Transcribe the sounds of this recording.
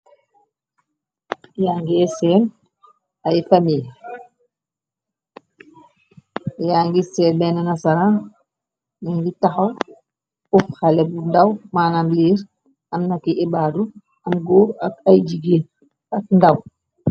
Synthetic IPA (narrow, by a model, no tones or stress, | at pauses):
jaŋɡɛɛsɛːn | ajfamil | jaːŋɡisɛːbɛnɛnasaɾa | niŋɡitaxɔl | ufxalɛbundawmaːnamliːɾ | ɐmnakiɛbaːdu | ɐmɡuːɾɐkajd͡ʒiɡe | ak̚ndaw